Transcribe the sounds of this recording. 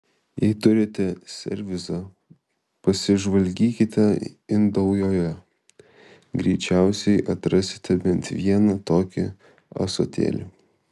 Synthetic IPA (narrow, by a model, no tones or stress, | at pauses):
jɛɪt̪ʊɾʲɪt̪ʲɛsʲɛ̰ɾʲʋʲɪzɐ | pɐsʲɪʒʋɐlʲɡʲiːkʲɪt̪ʲɛɪnd̪ɐʊjoːjjɛ | ɡɾʲɛɪt͡ʃʲæˑʊsʲɛɪʔɐt̪ɾɐsʲɪ̥t̪ʲɛbʲɛnt̪ʋʲiɛnɐt̪oːkʲɪ̰ | ɐ̰so̰ːt̪ʲḛːlʲɪ